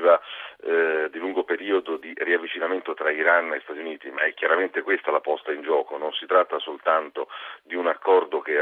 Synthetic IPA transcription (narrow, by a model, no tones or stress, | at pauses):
va | d̪iluŋɡopeɾiːod̪od̪iriavːit͡ʃinament̪ot̪ɾaiɾanːest̪at̪juniːt̪ima̰ɛkːjaɾament̪ekwest̪alapɔst̪aind͡ʒɔːkononsit̪ɾat̪ːasolt̪ant̪od̪iunakːɔrd̪oke